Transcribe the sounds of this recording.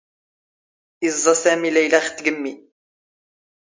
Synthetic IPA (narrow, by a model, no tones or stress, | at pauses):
ʔizˤːɑsæːmilæjlæxt̪ɡəmːi